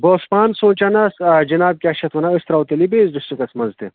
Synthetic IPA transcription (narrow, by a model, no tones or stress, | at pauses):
boːspaːnsõːt͡ʃɐnɐsɐd͡ʒɐnaːb̚kʲaːʃɐt̪ʰʋɐnɐɨst̪ɾawt̪elibeːzdust̪ukɐsmɐnzt̪e